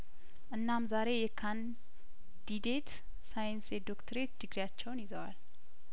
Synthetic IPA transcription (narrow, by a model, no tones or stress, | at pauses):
ʔɨnːamzaɾe̞jɛkʰan | d̪id̪e̞t̪ | sajnsed̪okt̪ʰəɾe̞t̪d̪ɨɡɾjat͡ʃːɛwnjɪzəwal